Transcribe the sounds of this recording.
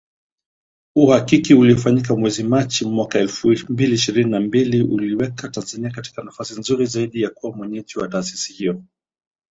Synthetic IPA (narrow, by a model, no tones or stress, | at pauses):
uhakikiuliɔfaɲik̬amwɛzimat͡ʃimwakaɛlfumbiliiʃiɾininambiliʔuliwɛkatanzaniakati̥kanafasinzuɾizaiɗijakuwamwɛɲɛd͡ʒiwataːsi̥sihijɔ